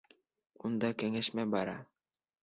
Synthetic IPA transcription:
und̪ɑkæŋæʃmæbɑɾɑ̰

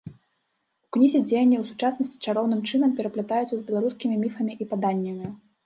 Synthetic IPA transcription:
uknʲizʲid͡zʲejɐnʲːɐwsut͡ʂasnɐsʲt͡sʲi̥t͡ʂaɾɔwn̪ɨmt͡ʂɨnɐmpʲɛɾɐplʲɛt̪ajut̪sɐzbʲɛlˠaɾuskʲimʲimʲifɐmʲiʔipad̪anʲːɐmʲi

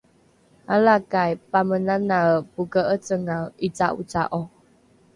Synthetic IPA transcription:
alakajpamənanapuɡəʔət͡səŋait͡saʔṵt͡sa̰ʔɔ

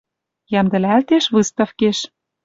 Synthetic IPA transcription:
jæmd̪ɘ̆lælt̪eʃβɨst̪ɑfkeʃ

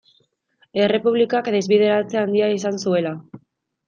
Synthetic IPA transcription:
e̞re̞puβ̞likakd̪e̞zβið̞e̞ɾat͡se̞and̪iais̬ansue̞la

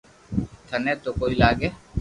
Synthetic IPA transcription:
t̪ʰəneːt̪oːkoːiːlaːɡeː

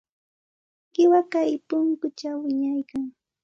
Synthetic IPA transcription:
ɢɪwakajpʊŋkʊt͡ʃawɪɲajkaŋ

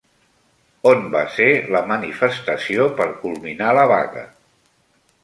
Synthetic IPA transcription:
onba̰seləmənifəst̪əsiopəɾkulˠminaləβa̰ɣə̰

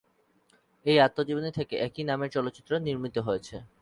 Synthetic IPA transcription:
ejat̪ːod͡ʑibonet̪ʰekeʔɛkinameɾt͡ɕɔlot̪ːɕit̪ːɾoniɾmit̪oɦojet͡ɕʰe

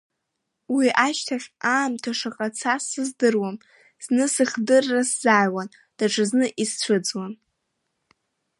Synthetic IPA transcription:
wiʔaʃtʰaχʲaːmtʰaʂaqʼat͡sʰasɨzdɨrwam | z̥nɨsɨχdɨrːasz̥aːjwan | d̥aʈ͡ʂʰɨznɨʔist͡ɕʷʰɨd͡zwan

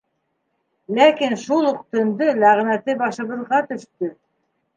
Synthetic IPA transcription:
lækinʃulˠŏqt̪ɵ̆nd̪ɤlæʁnæt̪ɘbɑʃɤ̆βɤ̆ðʁɑt̪ɵ̆ʃt̪ɵ

